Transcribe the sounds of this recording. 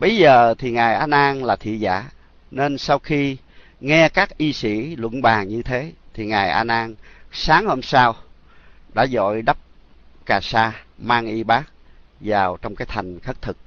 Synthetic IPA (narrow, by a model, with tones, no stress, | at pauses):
ɓə˧jzəː˨˩t̪ʰi˨˩ŋaː˨˩jʔaː˧nʔaː˧nlaː˨˩t̪ʰḭ˧˨za̰ː˧˥ | ne˧nsa˧wxi˧ | ŋɛ˧kaː˦˥k̚ʔi˧sḭ˧˥lwə̰˧˥˨nɓaː˨˩ŋɲɨ˧t̪ʰe˨˦t̪ʰi˨˩ŋaː˨˩jʔaː˧nʔaː˧nsaː˨˦ŋho˧msaː˧w | ɗa̰ː˧˥zɔ̰˧˨jɗə˦˥p̚kaː˨˩saː˧maː˧ŋʔi˧ɓaː˦˥k̚zaː˨˩wt͡ɕɔ˧wŋ͡mkaː˨˦jt̪ʰa˨˩jŋ̟xə˦˥t̚t̪ʰɨ˨˩k̚